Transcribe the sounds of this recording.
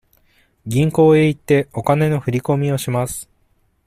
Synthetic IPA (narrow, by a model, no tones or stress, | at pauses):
ɡʲĩŋko̞ːe̞it̪ːe̞o̞kane̞no̞ɸɯ̟ɾʲiko̞mʲio̞ɕimasɨ̥